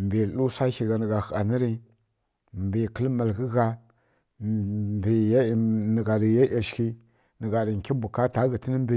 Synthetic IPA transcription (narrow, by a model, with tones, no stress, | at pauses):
m˨bi˨lu˦sa˦xi˨ɡa˨nə˨ɡa˨xa˨nə˦ɾi˦ | mbi˨kə˦lma˨lɣə˦ɣa˦ | bi˨jnə˨ɡa˨ɾi˨ja˦ʔa˨ʃki˦ | nə˨ɡa˨ɾi˨ŋ˨kʲi˦bu˨ka˦ta˦ɡə˨tə˦nə˦mbi˨